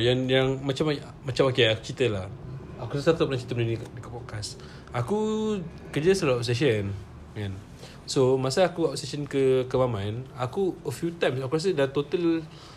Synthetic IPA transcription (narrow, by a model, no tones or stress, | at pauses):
janjaŋmãt͡ʃam | mãt͡ʃamakeaku̥t͡ʃit̪əlah | akusat̪at̪aʔp̚lãt͡ʃi̥t̪əmənənikdikapɔd̚kas | aku | kəd͡ʒəsaluap̚s̬eʃ̬ən | mɛ̃n | somasaakuapseʃənkəkəmamãnakuəfjut̪ãjmsafkuɾas̬ədat̪ot̪əl